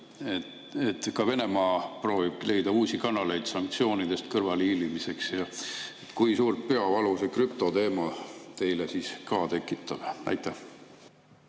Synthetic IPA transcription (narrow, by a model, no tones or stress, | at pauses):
e | et̪ːkɑve̞ne̞mɑːpro̞ːvib̥le̞jd̪̥ɑuːsikɑnːɑle̞jd̪̥sɑŋk̚t̪sio̞ːnid̪̥e̞st̪kɤrvɑlilimise̞ksjɑet̪ːˑkujsuːrt̪̚pe̞ɑvɑlusekrypt̪o̞t̪e̞ːmɑt̪e̞jlesiːskɑːt̪ekːˑit̪ˑːɑb̥ɑ̰jt̪ːˑæh